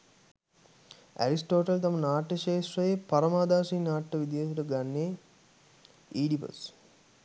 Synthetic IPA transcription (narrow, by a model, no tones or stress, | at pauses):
æ̰ɾisʈoːʈɐlt̪ɐmɐnaːʈːɐʃeːʃɾɐjepɐɾɐmaːd̪aːsiːnaːʈːɐʋid̪ijɐs̬uʈɐɡanːe | iːɖipɐ̰s